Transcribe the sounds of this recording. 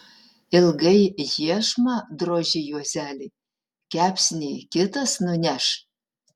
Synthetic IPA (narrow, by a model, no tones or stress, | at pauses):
ɪlˠɡɐɪjiɛʃmɐd̪ɾoːʒʲɪjuɔzʲæːlʲeː | kʲæːpʲsʲɪnʲeːkʲɪt̪ɐsnʊnʲæʃ